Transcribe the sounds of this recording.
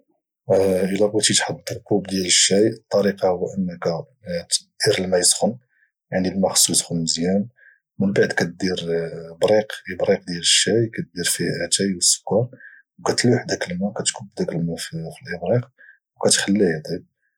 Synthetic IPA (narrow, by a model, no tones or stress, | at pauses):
ʔəlækæt̪it̪ħɑd̪ːɾˤkubd̪jæləʃːæjət̪ˤːɑɾiqɑhʊwːæʔənːækæ | d̪̥iɾəlmæjəsxʊn | jaʕnilmæxsˤusxʊnsjæm | mənbaʕd̪kæt̪̚d̪iɾbɾiqibɾiq̚d̪jæləʃːæjkæt̪̚d̪iɾfihʔæt̪æjwəsːʊ̥kːɑɾˤ | wkæt̪luħd̪ækəlmækæt̪kʊbːd̪ækəlmæffəlʔəbɾiq | wkæt̪xælːihæt̪ˤib̚